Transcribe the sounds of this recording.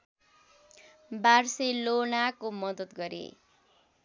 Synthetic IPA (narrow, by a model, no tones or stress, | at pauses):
barselonakomʌd̪ʌt̪ɡʌɾḛ